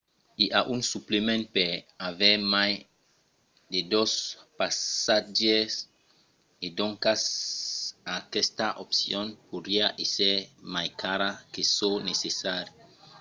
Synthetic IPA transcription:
iʔaʔuŋsuplemẽnpeaveɾmaj | d̪ed̪ospasad͡ʒes | ed̪õŋkas | akɛst̪aʔopsjõnpoɾiaʔeseɾmajkaɾakesonesesaɾji

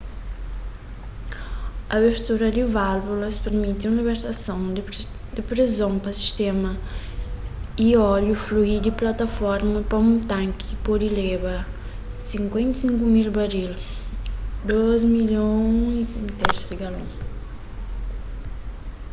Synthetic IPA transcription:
ɐbeɾt̪uɾɐd̪ivalvulɐspeɾmit̪ũlibeɾt̪asɐ̃w̃ | d̪ɪpɾizõw̃pɐsi̥ʃt̪ẽmɐ | iɔʎufluid̪iplat̪afɔɾmɐpɐũt̪ãŋki̥ipɔd̪ilebɐ | sĩŋkwẽnt̪sĩŋkumilbaɾil | d̪ozmiljõĩt̪eɾsiɡalõ

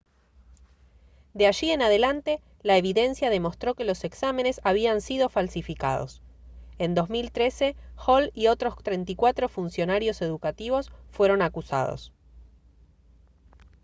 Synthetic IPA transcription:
d̪eaʒie̞nað̞e̞lant̪e̞ | laeβ̞iðe̞nsjað̞e̞mo̞st̪ɾo̞ke̞lo̞se̞ksame̞ne̞saβ̞iansiðo̞falsifika̰ðo̞̰send̪o̞zmilt̪ɾe̞se̞xolio̞t̪ɾo̞st̪ɾent̪̬ikwat̪ɾo̞funsjo̞naɾjo̞se̞ðukat̪iβ̞o̞sfwe̞ɾo̞nakusa̰ð̞o̞̰s

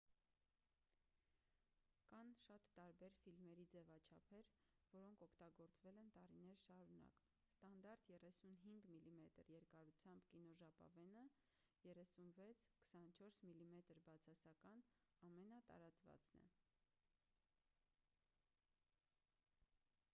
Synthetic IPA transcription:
kɑnʃɑt̪ːɑɾbɛɾfilmɛɾid͡zɛvɑt͡ʃʰɑpʰɛɾvɔɾɔŋkʰɔkʰt̪ɑɡɔɾt͡svɛlɛnt̪ɑɾinɛɾʃɑɾunɑ̰k | st̪ɑnd̪ɑɾt̪jɛrɛsunɦiŋɡmilimɛt̪əɾjɛɾkɑɾut͡sʰjɑmbkinɔʒɑpɑ̰vɛnə | jɛrɛsunvɛt͡sʰkʰə̥sɑnt͡ʃʰɔɾsmilimɛt̪əɾbɑt͡sʰɑsɑkɑnɑmɛnɑt̪ɑ̰ɾɑt͡svɑ̰t͡snɛ̰

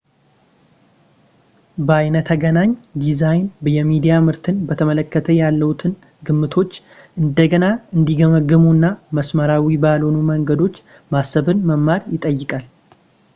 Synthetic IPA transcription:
bəajnət̪ʰəɡənaɲd̪izajnbjɛmid̪ijamɨɾt̪ʰɨnbət̪ʰəmələkːət̪ʰəjalːəwut̪ʰɨn | ɡɨmːɨt̪ʰo̞t͡ʃː | ʔɨnd̪əɡənaɨnd̪iɡəməɡːɨmunːaməsməɾawibalo̞numəŋɡəd̪o̞t͡ʃː | masːəβɨnməmːaɾjɪt̪ʼəjːɪkʼal

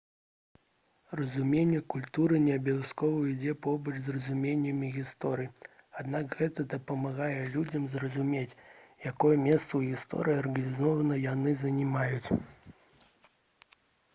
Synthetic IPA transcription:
rɐzumʲenʲːɛkulʲt̪uɾɨnʲɛɐbʲaaskɔvɐid͡zʲɛpɔbɐt͡ʂzrɐzumʲenʲːɐmʲiɣʲist̪ɔɾɨji | ad̪nakɣɛt̪ɐd̪ɐpɐmaɣajɛlʲud͡zʲɐmzrɐzumʲet͡sʲjakɔjɛmʲɛst̪sɐwɣʲist̪ɔ̰ɾɨjɐrɣɐnʲizɔvɐnɐjanɨzɐnʲimajut͡sʲ

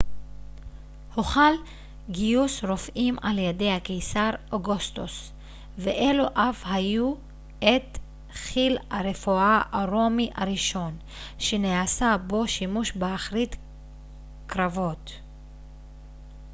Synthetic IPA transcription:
hoχal | ɡijusɾo̞fʔimaljede̞jhakejsaɾoɡust̪os | veʔeloʔafhaju | et̪ | χilaɾefuʔaʔaʁo̞miʔaɾiʃo̞n | ʃeneasabo̞ʃimuʃbeaχɾit̪ | kɾavo̞t̪

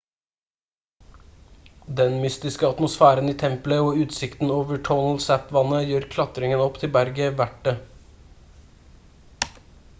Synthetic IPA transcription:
d̪ɛnmʏst̪ɪskəɑt̪mʊsfæːɾəniːt̪ʰɛmpləoːʉːt̪sɪkt̪n̩oːʋəʈʰɔnəl̩sæpʋɑnəjøːɾkʰlɑt̪ɾɪŋənɔpt̪ʰɪbæɾɡəʋæʈːə

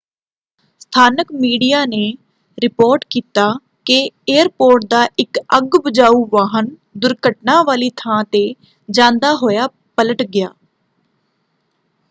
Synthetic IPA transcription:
st̪ʰaːnəkmiːɖijaːneː | ɾɪpoːɾʈkiːt̪aː | kɪeːəɾpoːɾʈ̚d̪aːʔɪkəɡbəd͡ʒaːuːʋaːɦən | d̪ʊɾkəʈnaːʋaːliːt̪ʰãːt̪eː | d͡ʒãːnd̪aːɦoːjaː | pələʈɡɪjaː

